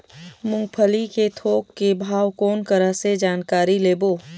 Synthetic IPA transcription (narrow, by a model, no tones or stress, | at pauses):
mʊ̃ŋɡ̚pʰəliket̪ʰoːkːebʱaːwkoːnkəɾəɦsed͡ʒaːnkaːɾileːboː